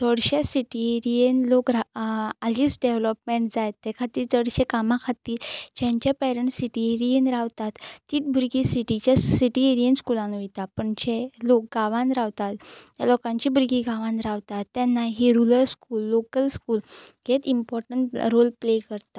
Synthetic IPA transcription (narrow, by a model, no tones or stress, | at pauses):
t͡səɽɕasiʈieɾiənlokɾaaliːt͡sɖeʋləpmeɳʈd͡zajt̪ːɛkʰat̪iːɾt͡səɽɕekamãkʰat̪iːɾt͡ɕɛ̃ɲt͡ɕapɛɾəɳʈsiʈieɾijənɾaʋt̪at̪ːiːt̪̚bʱuɾɡisiʈit͡ɕjasiʈieɾiənskulãnʋejt̪apəɳt͡ɕelok̚ɡaʋãnɾaʋt̪at̪ja̰lɔkãɲt͡ɕibɾɡiɡaʋãnɾaʋt̪at̪ːɛnːaɦiɾuləɾskuːlːokəlskuːlɡet̪impɔɾʈəɳʈɾolplekəɾt̪a